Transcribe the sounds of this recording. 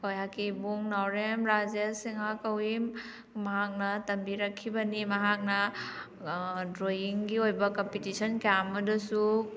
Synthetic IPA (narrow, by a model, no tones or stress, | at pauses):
kojakibuŋnawɾemɾazjɐsiŋakɐwim | mɐɦak̚nɐtɐmbiɾɐkʰːibɐnimɐɦak̚nɐ | dɾoiŋɡiojbɐkompitisɐnkjamɐdɐsu